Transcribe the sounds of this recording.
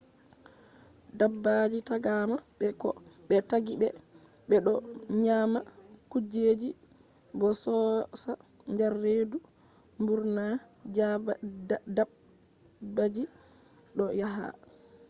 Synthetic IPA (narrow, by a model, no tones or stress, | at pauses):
dabːad͡ʒitaɡamaɓɛkɔ̰ | ɓɛtaɡibɛ̰ | ɓɛɗɔɲama | kud͡ʒed͡ʒi | bɔsɔsa | ɲd͡ʒarːeːdu | mbuɾna | d͡ʒa | da | bad͡ʒi | ɗɔjaɦa̰